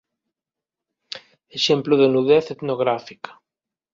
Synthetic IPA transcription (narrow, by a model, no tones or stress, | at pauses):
eʃẽmploðenuðeθet̪noɣ̞ɾafikḁ